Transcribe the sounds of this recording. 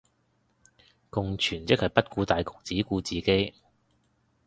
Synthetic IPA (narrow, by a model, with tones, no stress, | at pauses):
kʊ˨ŋt͡ʃʰyː˨˩nt͡sɪ˥k̚hɐ˨˩jpɐ˥t̚kuː˧t̪aː˨jkʊ̥˨˩k̚t͡siː˨˥kuː˧t͡siː˨ke˥j